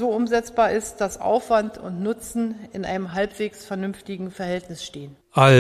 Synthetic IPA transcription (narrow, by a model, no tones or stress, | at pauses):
zoːʊmzɛt͡sb̥aːɐɪst̚d̥asʔa̰ʊfv̥antʰʊ̰ntnʊt͡sn̩ɪnʔa̰ɪnəmɦalpv̥eːksfɛɐnʏnftɪɡŋ̩fɛɐhɛltnɪsʃteːən | ʔa